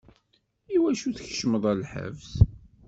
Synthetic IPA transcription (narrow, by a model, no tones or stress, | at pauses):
iwæʃuθəçʃməðˤællħə̰vs